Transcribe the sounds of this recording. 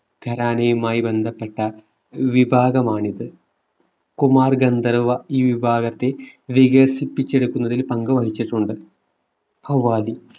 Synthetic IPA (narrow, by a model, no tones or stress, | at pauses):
ɡʱɐɾaːnɐjumaːjibe̞nd̪ʱɐpːe̞ʈːɐ | ʋibʱaːɡɐmaːɳiðɨ | kumaːrɡɐnd̪ɐrʋɐiːʋibʱaːɣɐt̪ːe̞ʋiɣɐrsipːit͡ɕːe̞ɽukːunːɐðilpɐŋɡɨʋɐɦit͡ɕːiʈːuɳɖɨ | pɐwʋːaːli